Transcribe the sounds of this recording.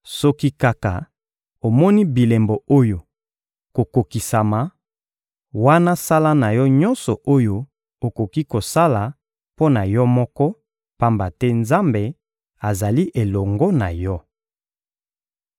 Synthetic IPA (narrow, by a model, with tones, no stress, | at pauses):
sɔ˦ki˦ka˦ka˨ | o˨mɔ˦ni˦bi˨le˨mbo˨o˦jo˨ | ko˨ko˨ki˨sa˨ma˨ | wa˦na˦sa˦la˦na˨jɔ˦ɲɔ̃˦nsɔ˨ʔo˦jo˦ | o˨ko˨ki˦ko˨sa˦la˨ | po˦na˨jɔ˦mɔ˦kɔ˦ | pa˦mba˨tɛ˦nza˦mbe˨ | a˨za˨li˦ʔe˨lɔ˨ŋɡɔ˦na˨jɔ˦